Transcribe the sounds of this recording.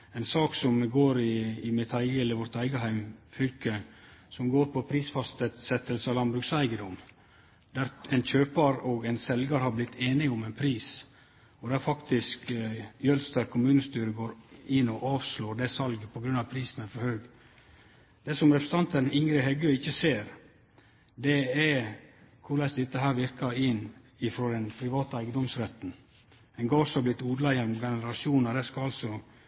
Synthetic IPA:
ɛɪnsɑːksɔmːɛɡoːɾɪːmɪt̪ʰæɪɡəɛlːəɾʋɔɾt̪æɪɡəɦæɪmfʏlkəsɔmɡoːɾpʰɔpʰɾiːsfɑst̪ət̪sɛt̪ːəlsəɑlɑnbɾʉɡsæɪɡəd̪ɔm | d̪̥æɾɛnçøːpɑɾɔɡæɪnsɛlɡɑɾhɑɾblɪt̪ʰːeːnɪʊmɛɪnpʰɾiːs | ɔd̪ɛæɾfɑkt̪ɪskjœlst̪æɾkʰʊmʉːnəst̪yːɾəɡoːɾɪnːɔʔɑːʋsloːɖ̪ɛsɑlɡəpʰɔɡɾʉnɑʋpʰɾiːsən̩æfɔɾhøːɡ | d̪̥ɛːsɔmɾɛpɾəsət̪ɑnt̪ənɪŋɾɪɦɛɡøɪçːəseːɾ | d̪ɛæ | kʰʊɾlæɪsd̪ɛt̪ːəɦæːɾʋɪɾkɑɪnː | ɪfɾɔd̪ɛnpʰɾɪʋɑːt̪ɑæɪɡənd̪ɔmsɾɛt̪n̩ | ɛnŋɡɑːsɑblɪt̪ːuːd̪lɑjɛnɔmɡɛnəɾɑʃuːnəd̪æskɑɑlsɔ

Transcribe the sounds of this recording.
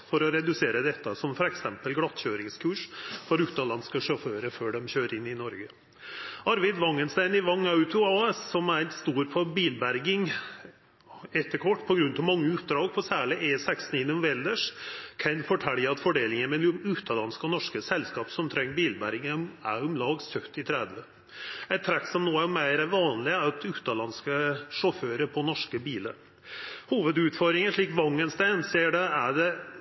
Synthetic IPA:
fɔɾɔɾɛd̪ʉseːɾəd̪ɛt̪ːəsɔmfɔɾɛksɛmpəlɡɽɑt̪ːçøːɾɪŋskʰʉːʂfɔɾʉːt̪ːɑlɑnskəʂɔføːɾəføːɖɛmçøːɾɪnːɪnɔɾɡə | ɑɾʋæɪd̪ʋɑŋːənst̪æɪnɪʋɑŋːɑʉt̪ʊɑːɛsːɔmæɾst̪uːɾpʰɔbiːlbæɾɡɪŋ | ɛt̪ːəkʰɔʈːpʰɔɡɾʉnt̪ɑʋmɑŋːəʉːt̪̚d̪ɾɑːɡpʰɔsæːɭɪʔeːsæksn̩ɪnːɔmʋɛːld̪əʂkʰɛnfɔʈʰæɽjəɑt̪fɔɖeːlɪŋəmɛʉːt̪ɑlɑnskəɔnɔʂkəsɛlskɑːpsɔmt̪ʰɾɛŋːəbiːlbæɾɡɪɡənæʊmlɑːɡsœt̪ːɪt̪ʰɾɛd̪ʋə | ɛɪt̪ʰːɾɛkːsɔmnoːæɾmæɪɾæɾʋɑːnlɪɑt̪ʰʉːt̪ːɑlɑnskəʂɔføːɾəpʰɔnɔʂkəbiːlə̰ɾ | huːʋəd̪ʉːt̪fɔɾd̪ɾɪŋəʂɭiːkʋɑŋːənsd̪ænseːɖɛæɖɛ

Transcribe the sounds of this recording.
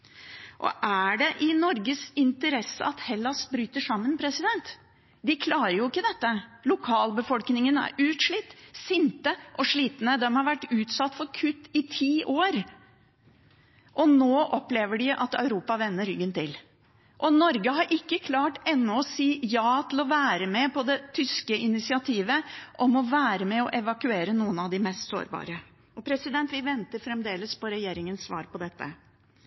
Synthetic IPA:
ʔɔ̰ʔæɖɛʔɪnɔɾɡəsɪnt̪əɾɛsːə̰ɑt̪hɛlːɑsbɾyːt̪əʂɑmːənpʰɾɛsɪd̪ɛnt̪ | d̪ɪkʰlɑːɾəɾjʊɪkːəd̪ɛt̪ːəlʊkʰɑːlbəfɔlknɪŋənæ̰ɾʉːt̪ʂɭɪt̪ːsɪnt̪əʔɔʂɭiːt̪nəd̪ɛmhɑɾʋæʈːʉːt̪sɑt̪ːfɔɾkʰʉt̪ːɪt̪ʰiːʔoːɾ | ʔɔnoːʔɔpːleːʋəɖɪʔɑt̪œʉɾuːpɑʋɛnːəɾʏɡːənt̪ɪl | ʔɔnɔɾɡəhɑɾʔɪkːəkʰlɑːʈɛnːɔɔsiːjɑːt̪ʰɪlɔʋæːɾəmɛpʰɔd̪ɛt̪ʰʏskəɪnɪsɪɑt̪ʰiːʋəʔɔmɔʋæːɾəmɛɔʔɛʋɑkʉeːɾənuːənɑʋd̪ɪmɛst̪so̰ːɾbɑ̰ːɾə | ɔpʰɾɛsɪd̪ɛnt̪ʋɪʋɛnt̪əɾfɾɛmd̪eːləspɔɾɛjeːɾɪŋənsːʋɑ̰ːɾpɔd̪ɛt̪ːə̰

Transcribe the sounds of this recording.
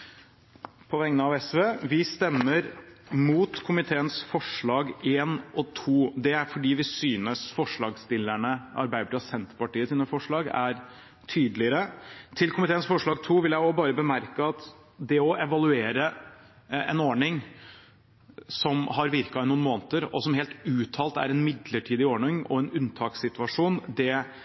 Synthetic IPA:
pʰɔʋɛŋənəɑʋɛsʋeːʋɪst̪ɛmːəɾmuːt̪kʰʊmɪt̪ʰeːənsfɔʂɭɑːɡeːnɔt̪ʰuːd̪ɛæɾfɔɖiːʋɪsyːnəsfɔʂɭɑːɡst̪ɪlæɳəɑ̰ɾbæɪʈɑsɛnt̪pɑʈiːəsɪnːəfɔʂɭɑːɡæɾ | t̪ʰyːd̪əlɪəɾət̪ʰɪlkʰʊmɪt̪eːənsfɔʂɭɑːɡ̚t̪ʰuːʋɪljæɪɔbɑːɾəbəmæɾkəɑt̪ | d̪ɛɔʔɛʋɑlʉeːɾə | ɛ̰noːɳɪŋ | sɔmɦɑɾʋɪɾkɑɪnuːnmoːnət̪əɾɔ̰sɔmɦeːlt̪ʉːt̪ʰɑːlt̪æ̰ɾɛnmɪd̪ləʈʰiːd̪ɪoːɳɪŋɔ̰ɛnʉnt̪ʰɑːksɪt̪ʋɑʂuːnd̪ɛ

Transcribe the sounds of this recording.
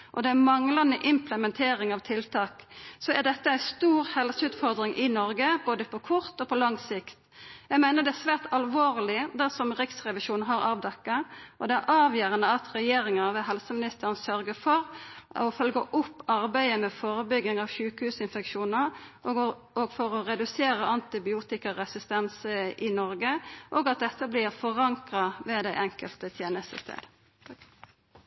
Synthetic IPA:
ʔɔd̪ɛæmɑŋlɑnd̪əʔɪmpləmɛnt̪ʰeːɾɪŋɑʋt̪ʰɪlt̪ʰɑːksɔæd̪ɛt̪ːəæɪst̪uːɾhɛlsəʉːt̪fɔʁd̪ɾɪŋʔɪnɔɾɡəboːd̪əpʰɔkʰʊɾt̪ɔpʰɔlɑŋsɪkt̪ | jæɪɡmæɪnəʁd̪ɛæsʋæːʈ̪ɑlʋoːʁlɪd̪æʁsɔmʁɪksʁɛʋɪʃuːnɦɑɾɑːʋd̪ɛkːəʔɔd̪ɛæɾʔɑːʋjøːʁənəɑt̪ɾɛjeːɾɪŋɑʋɛɦɛlsəmɪnɪst̪əɾənsœɾɡəfɔɾɔfœlɡəʔʊpːɑʁbæɪəmɛfoːɾəbʏɡːɪŋɑːʋʃʉːkəhʉːsɪnfɛkʃuːnə | ɔɡfɔɾɔʁɛd̪ʉseːɾəɑnt̪ɪbɪuːt̪ɪkɑɾɛsɪst̪ɛnsəʔɪnɔɾɡəʔɔɡɑt̪̚d̪ɛt̪ːəblɪɾfɔʁɑŋkʁɑʋɛd̪æɪʔɛŋkəlt̪ət̪ʰjeːnəst̪ə̰st̪ʰḛːd̪

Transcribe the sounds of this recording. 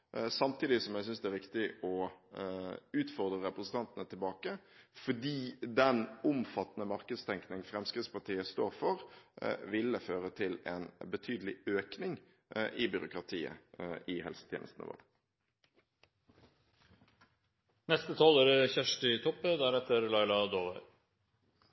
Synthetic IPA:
sɑmt̪ʰiːd̪ɪsɔmjæɪsʏnsd̪ɛæɾʋɪkt̪ɪɔ | ʉːt̪fɔʁd̪ʁəɾɛpɾəsnt̪ʰɑnt̪ənət̪ʰɪlbɑːkəfɔɖiːd̪ɛnʊmfɑt̪ːənəmɑɾkəd̪st̪ʰɛŋknɪŋfɾɛmskʁɪt̪spɑʈ̪iːəst̪oːɾfɔɾʋɪlːəføːɾət̪ʰɪlɛ̰nbət̪ʰyːd̪əlɪøːknɪŋ | ʔɪbʏɾʊkɾɑt̪ʰiːə̰ɪhɛlsə̥t̪ʰɛ̰ːnəst̪nə̰ʋɔ̰ːʁ | nɛst̪ət̪ʰɑːloːɾəçæʂʈɪt̪ʰɔpːəd̪æɾɛt̪ːəɾlɑɪlɑd̪oːʋəɾ

